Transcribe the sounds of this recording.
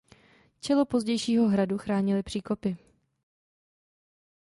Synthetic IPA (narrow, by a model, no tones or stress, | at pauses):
t͡ʃɛlo̞po̞zɟɛjʃiːɦo̞ɦɾaduxɾaːɲɪlɪpr̝̥iːko̞pɪ